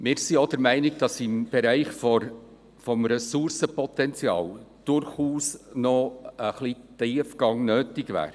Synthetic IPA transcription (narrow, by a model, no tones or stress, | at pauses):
mɪːɾsiod̥əɾmæɪnɪɡd̥ɑsɪmb̥ɛɾæɪχfɔ | fɔmɾɛsʊɾsəpɔt̪ɛnt͡sjɑ̰ːld̥ʊɾχuːsnɔəχlitiːfɡ̥ɑŋnøːtɪɡvæ̰ːɾ